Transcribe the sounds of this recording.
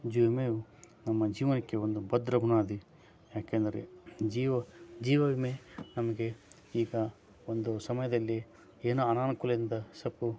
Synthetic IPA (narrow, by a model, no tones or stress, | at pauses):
d͡ʒuʋmeːu | nɐmːɐd͡ʒiːʋɐnikːeo̞nd̪ubɐd̪ɾɐɡʱunaːd̪i | jaːkeːnd̪ɐɾḛd͡ʒiːʋɐd͡ʒiːʋɐʋimenɐmɐɡe̞ | iːɡɐ | ond̪usɐmɐjɐd̪ɐlːi | eːnuɐnaːnɐkulɐind̪ɐsɐpu